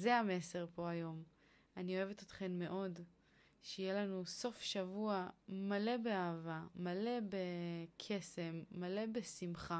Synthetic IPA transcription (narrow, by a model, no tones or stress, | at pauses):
zeame̞se̞ʁpo̞ajo̞m | anio̞evet̪ot̪χe̞nme̞ʔo̞d | ʃeijelanuso̞fʃavuamale̞be̞aːvamale̞be̞kʰe̞se̞mːale̞be̞simχa